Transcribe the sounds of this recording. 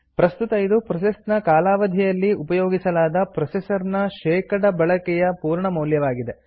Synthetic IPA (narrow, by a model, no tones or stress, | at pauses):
pɾɐst̪ut̪ɐjid̪upɾɐsest̪nɐkaːlaːʋɐd̪ʱijɐlːiupɐjoːɡisɐlaːd̪ɐpɾɐsesɐɾnɐʃɛːkɐɽɐbɐɭɐkɛjɐpuːɾɳɐmɐwljɐʋaːɡid̪e